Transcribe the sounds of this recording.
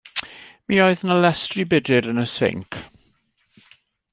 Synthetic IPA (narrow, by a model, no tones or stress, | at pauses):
mioɨðənəlɛstribɪdɪɾənəsɪ̰ŋkʰ